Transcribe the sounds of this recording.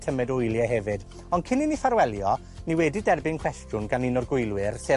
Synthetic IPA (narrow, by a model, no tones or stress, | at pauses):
tʰəmɛdʊjlˠjɛɦɛvɨd | ɔnkʰɪninifaɾwɛlˠjɔ | niwɛdɪdɛrbɪnkʰw̥ɛstrʊnɡanɪnɔrɡʊjlˠwɪrse